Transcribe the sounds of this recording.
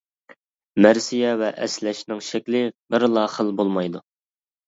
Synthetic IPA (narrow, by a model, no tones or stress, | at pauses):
mæɾsijɛvɛʔɛslɛʃnɪŋʃɛkʲlɪbɪɾlˠɑːχəlˠbolˠmɑjd̪u